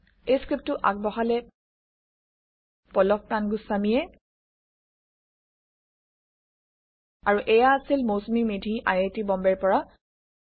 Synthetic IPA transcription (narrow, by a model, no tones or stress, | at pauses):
ejskɹip̚tʊʔa̰k̚bɔxalɛ | pɔlɔk̚kanɡusamijɛ | aɹuʔɛjaːsilmosmimedʱiʔa̰jetibɔmbɛɹpɔɹa